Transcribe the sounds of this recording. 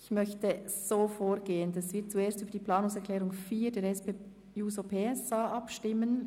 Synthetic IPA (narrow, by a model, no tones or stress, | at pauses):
ɪçmœçtəz̥oːfoːɾɡeːəndɛsvɪːt̚t͡sueːstyːbəd̥iːplɑːnʊŋsɛʁklɛːɾʊŋfiːdeːɾɛspe | juːzopʰeːɛsaːʔɑpʃtɪmən